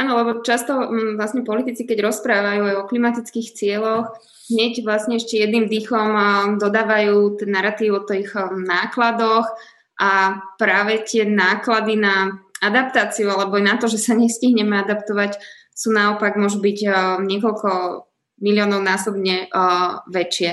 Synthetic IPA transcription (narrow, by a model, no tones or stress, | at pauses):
ʔaːnɔlɛbɔt͡ʃast̪ɔʋlasɲɛpɔlit̪it͡sikɛɟɾɔspɾaːʋajuajɔklimat̪it͡skiːxt͡sɪɛlɔx | ɦɲɛɟʋlasɲɛɛʃcɛjɛd̪nimd̪ixɔmd̪ɔd̪aːʋajuːt̪ɛnːaɾat̪iːʋʊɔt̪ɔixnaːklad̪ɔx | ʔapɾaːʋɛt̪ɪɛnaːklad̪inaad̪ap̚t̪aːt͡siualɛbɔajnat̪ɔʒɛsaɲɛsciɦɲɛmɛad̪apt̪ɔʋac | suːnaɔpaɡmʊɔʒubiɟɲɪɛkɔlkɔ | milɪɔːnɔʊnaːsɔbɲɛ | ʋɛt͡ʃɪɛ